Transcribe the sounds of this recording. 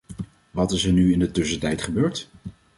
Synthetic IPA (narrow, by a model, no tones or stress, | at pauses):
ʋɑtɪsəɹnyɪndətɵsətɛjtχəbøːɹt